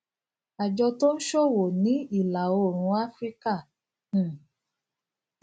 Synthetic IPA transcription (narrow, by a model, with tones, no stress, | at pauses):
a˨d͡ʒɔ˧to˦n̩˦ʃɔ˦wo˨nĩ˨˦i˦˨la˨o˦˨ɾ̃ũ˧˦a˦fɾi˦kã˦˨˦